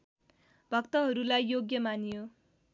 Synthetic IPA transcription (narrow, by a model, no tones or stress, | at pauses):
b̥ʱʌkt̪ʌɦʌɾulajːoɡjʌmanijo